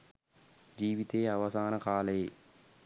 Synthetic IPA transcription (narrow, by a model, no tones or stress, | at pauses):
d͡ʒiːʋit̪eːaʋɐsaːnɐkaːlɐje